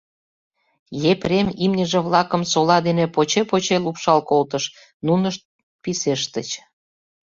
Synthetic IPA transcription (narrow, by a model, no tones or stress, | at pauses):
jeprʲemimnʲəʒĕβlɑkə̆msolɑd̪enepot͡ɕepot͡ɕelupʃɑlkolt̪əʃ | nunəʃt̪̚ | piseʃt̪ət͡ɕ